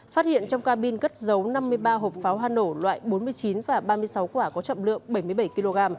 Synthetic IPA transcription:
faː˦˥hḭ˧˨ənt͡ɕɔ˧wŋ͡mkaː˧ɓi˧nɣə˦˥t̚zə˨˦wna˧mːɨ˧əjɓaː˧ɦo˨˩p̚faː˨˦wɦaː˧no˧˩lwa̰ː˧˨jɓo˨˦nmɨ˧əjt͡ɕi˨˦nvaː˨˩ɓaː˧mɨ˧əjsa˨˦wkwaː˧˩kɔ˨˦t͡ɕə̰˧˨mlɨ̰˧˨əŋɓə˧˩jmɨ˧əjɓə˧˩jki˧lo˧ɣaː˧m

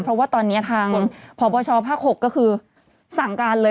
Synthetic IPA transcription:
pʰɾɔ˦˥waː˥˩t̪ɔː˧nːi˦˥ɐt̪ʰaː˧ŋpʰɔː˨˦bɔː˧t͡ɕʰɔː˧pʰaː˥˩k̚ho˨˩kːɔ˥˩kʰɯː˧ | sa˨˩ŋkaː˧nlɤː˧

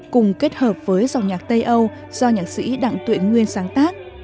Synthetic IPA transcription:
kʊ˨˩ŋ͡mke˦˥t̚həː˨˩p̚v̥əː˨˦jza˨˩wŋ͡mɲaː˨˩t̚t̪ə˧jʔə˧w | z̥ɔ˧ɲaː˨˩t̚sḭ˧˥ɗa̰˧˨ŋt̪wḭ˧˨əŋwi˧ənsaː˨˦ŋt̪aː˦˥k̚

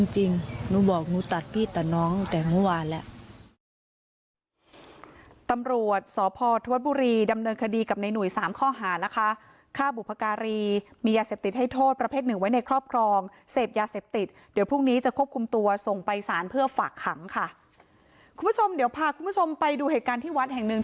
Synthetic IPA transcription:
i˧ŋt͡ɕi˧ŋnuː˧˥˩bɔː˨˩k̚nuː˦˥t̪a˨˩t̪̚pʰiː˥˩t̪ːa˨˩nɔː˦˥ŋt̪ɛː˨˩muː˥˩waː˧nlɛ˦˥ʔ | t̪a˧mɾu˨˩ət̪̚sɔː˨˦pʰɔː˧t̪ʰa˧˦t̪̚buː˧ɾiː˧da˧mnɤː˧nkʰa˧diː˧ka˨˩p̚na˧jnu˨˩əjsaː˩˦mkʰɔː˥˩ɦaː˩˦na˦˥kʰa˦˥ | kʰaː˥˩bu˨˩pʰa˧kaː˧ɾiː˧miː˧jaː˧seː˨˩p̚t̪i˨˩t̪̚ha˥˩jt̪ʰoː˥˩t̪̚pɾa˧pʰeː˥˩t̪̚nɯ˨˩ŋwa˦˥jna˧jkʰɾɔː˥˩p̚kʰɾɔː˧ŋseː˨˩p̚jaː˧seː˨˩p̚t̪i˨˩t̪̚ | di˩˦wpʰu˥˩ŋniː˦˥t͡ɕa˨˩kʰu˥˩əp̚kʰu˧mt̪u˧ɐso˨˩ŋpa˧jsaː˩˦npʰɯ˥˩ɐfaː˨˩kʰːa˩˦ŋkʰa˥˩ | kʰu˧mpʰu˥˩t͡ɕʰo˧mdi˨˦wpʰaː˧kʰu˧mpʰu˥˩t͡ɕʰo˧mpa˧jduː˧heː˨˩t̪̚kaː˧nt̪ʰiː˥˩wa˦˥t̪̚hɛ˨˩ŋnɯ˨˩ŋ

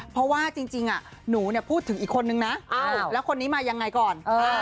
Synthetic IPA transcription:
pʰɾɔ˦˥waː˥˩t͡ɕi˧ŋt͡ɕi˧ŋʔa˨˩ | nuː˩˦ni˥˩ɐpʰuː˥˩t̪ʰːɯ˩˦ŋʔiː˨˩kʰo˧nːɯ˧ŋna˦˥ʔa˧˩lɛ˦˥wkʰo˧nːiː˦˥maː˧ja˧ŋːa˧jkɔː˨˩nʔɤː˧

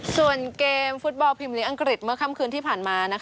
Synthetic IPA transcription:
su˨˩ənkeː˧mfu˦˥t̪̚bɔ˧pʰi˧mliː˨˦˥ʔa˧ŋkɾi˨˩t̪̚mɯ˧˥˩kʰa˥˩mkʰɯː˧nt̪ʰiː˥˩pʰaː˨˩nmaː˧na˦˥kʰ

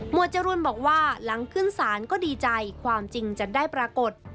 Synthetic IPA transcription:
mu˨˩ət͡ɕa˧ɾu˧ənbɔː˨˩k̚waː˥˩la˩˦ŋkʰɯ˥˩nsaː˩˦nkɔː˥˩diː˧t͡ɕa˧jkʰwaː˧mt͡ɕi˧ŋt͡ɕa˨˩daː˥˩jpɾaː˧ko˨˩t̪̚

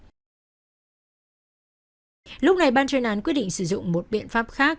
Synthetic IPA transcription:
lʊ˦˥k͡p̚na˨˩jɓaː˧nt͡ɕwe˧nʔaː˨˦nkwi˦˥ət̚ɗḭ˧˨ŋsɨ˧˩zʊ̰˧˨ŋ͡mmo˨˩t̚ɓḭ˧˨ənfaː˦˥p̚xaː˦˥k̚

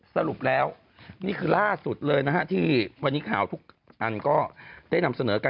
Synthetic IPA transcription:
sa˧ɾu˨˩p̚lɛː˦˥w | niː˥˩kʰɯː˧laː˥˩su˨˩t̪̚lɤː˧jna˦˥kʰha˦˥t̪ʰiː˥˩wa˧nːiː˦˥kʰaː˩˦wt̪ʰu˦˥k̚ | ʔa˧nkɔː˥˩daː˥˩jna˧msa˧nɤː˩˦ka˧

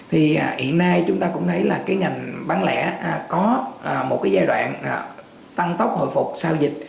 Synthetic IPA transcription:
t̪ʰiː˨˩˨hḭ˧˨ənːaː˧jt͡ɕʊ˨˦ŋ͡mt̪aː˧kʊ̰˧˥ŋ͡mt̪ʰə˨˦jlaː˨˩kaː˨˦jŋa˨˩jŋ̟ɓaː˨˦nlɛ̰˧˥˨kɔ˨˦ʔːmo˨˩t̚kaː˨˦jzaː˧jɗwa̰ː˧˨nʔ | t̪a˧ŋt̪ə˦˥k͡p̚ho̰˧˨jfʊ˨˩k͡p̚saː˧wzï˨˩t̟̚

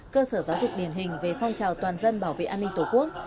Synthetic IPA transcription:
kəː˧səː˧˩zaː˨˦wzʊ˨˩k̚ɗi˧˩ənɦï˨˩ŋ̟ve˨˩fɔ˧wŋ͡mt͡ɕaː˨˩wt̪waː˨˩nzə˧nɓaː˧˩wvḛ˧˨ʔaː˧nːi˧t̪o˨˩ku˦˥ək̚

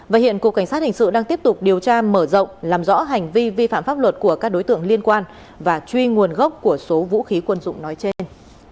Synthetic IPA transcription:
vaː˨˩hḭ˧˨ənku˨˩kːa˧˩jsaː˦˥t̚hï˨˩ŋ̟sɨ̰˧˨ɗaː˧ŋt̪i˦˥əp̚t̪ʊ˨˩k͡p̚ɗi˨˩əwt͡ɕaː˧məː˧˩zə̰˧˨wŋ͡mlaː˨˩mzɔ̰˧˥ɦa˨˩jŋ̟vi˧vi˧faː˧˨mfaː˦˥p̚wə˨˩t̚ku˧˩əkaː˦˥k̚ɗo˨˦jt̪ɨ̰˧˨əŋli˧ənkwaː˧n | vaː˨˩t͡ɕwi˧ŋu˨˩ənɣə˦˥k͡p̚ku˧˩əso˨˦vṵ˧˥xi˨˦kwə˧nzʊ̰˧˨ŋ͡mnɔ˨˦jt͡ɕe˧n

